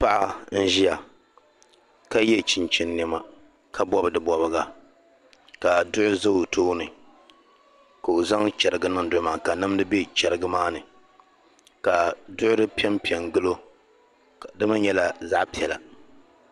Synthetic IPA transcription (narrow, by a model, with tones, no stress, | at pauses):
pa˦ʔa˦n̩˦ʒi˦ja˨ | ka˦jɛ˦t͡ʃɪ˨nt͡ʃɪ˦nːɛ˨ma˨ | ka˦bɔ˦bɨ˨dɨ˨bɔ˨bɨ˦ɡa˨ | ka˨dʊ˦ʔʊ˦za˦˨tʰoː˦nɨ˨ | ka˨o˨za˦ŋt͡ʃɛ˨ɾɨ˨ɡɨ˦nɨ˦dʊ˨ʊ˦maː˨ka˨nɨ˦m˦dɨ˦bɛ˦t͡ʃɛ˨ɾɨ˦ɡɨ˦maː˦nɨ˨ | ka˨dʊ˦ʔʊ˦ɾɨ˦pi˦ɛ˦mpi˨ɛ˨ŋɡɨ˦lo˦˨ | dɨ˦ma˦ɲɛ˦la˨za˦ʔpi˨ɛ˨la̰˨